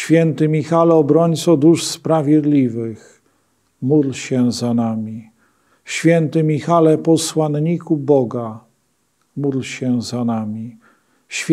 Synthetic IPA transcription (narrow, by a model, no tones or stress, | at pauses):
ɕfʲjɛnt̪ɘmʲixalɛɔbɾɔɲt̪sɔd̪uʂspɾavʲjɛd̪lʲivɘx | mud̪lɕɛzanamʲi | ɕfʲjɛnt̪ɘmʲixalɛpɔswanɲikubɔɡa | mud̪lɕɛzanamʲi | ɕfʲ